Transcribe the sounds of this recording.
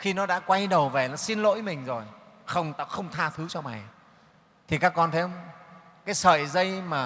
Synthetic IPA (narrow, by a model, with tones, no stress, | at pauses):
xi˧nɔ˨˦ɗa̰ː˧˥kwa˧jɗə˨˩wve˨˩la˨˩si˧nlo̰˧˥jmï˨˩ŋ̟zo˨˩j | xə˧wŋ͡mt̪a̰ː˧˥xə˧wŋ͡mt̪ʰaː˧t̪ʰɨ˨˦t͡ɕɔ˧ma̰˨˩j | t̪ʰi˨˩kaː˦˥kːɔ˧nt̪ʰe˨˦ə˧wŋ͡m | kaː˨˦jsə̰ː˧˨jzə˧jmaː˨˩